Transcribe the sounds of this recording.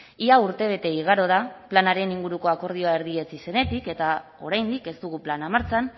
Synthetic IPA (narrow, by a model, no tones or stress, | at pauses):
iauɾt̪e̞β̞e̞t̪e̞iɣ̞aɾo̞ð̞aplanaɾe̞niŋɡuɾuko̞ako̞ɾð̞io̞ae̞ɾðie̞t͡sise̞ne̞t̪ike̞t̪a | o̞̰ɾajnd̪ike̞st̪uɣuplanamaɾt͡san